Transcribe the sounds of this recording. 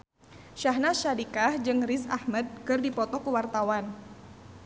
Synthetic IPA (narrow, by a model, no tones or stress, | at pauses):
ʃaɦnaʃadikahd͡ʒɨŋrisahmad̚kɨrdipɔt̪ɔkəwart̪awan